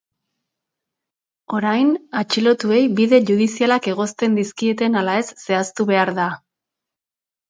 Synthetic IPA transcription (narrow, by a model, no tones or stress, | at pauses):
o̞ɾajnat͡ʃilo̞t̪ue̞jbiðe̞ʝuð̞isialake̞ɣ̞o̞st̪e̞nd̪iskie̞t̪e̞nalae̞sːe̞ast̪uβe̞aɾða